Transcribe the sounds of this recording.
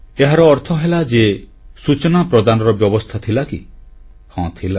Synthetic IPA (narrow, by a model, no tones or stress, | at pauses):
eɦaɾɔːɾt̪ʰɔɦelad͡ʒe | sut͡ʃɔnapɾɔd̪anɔɾɔbjɔbɔst̪ʰat̪ʰilakḭ | hɔ̃t̪ʰila